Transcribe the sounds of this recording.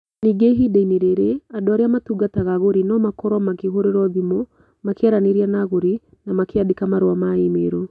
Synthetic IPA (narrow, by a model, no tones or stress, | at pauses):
niːɡeɦideineɾeɾeadoaɾeamatuɡataɣaɣoɾinɔmakɔɾɔmakeɦoɾeɾɔðimo | makeɛɾaneɾianaɣoɾi | namakeadekamaɾoamaemeɾɔ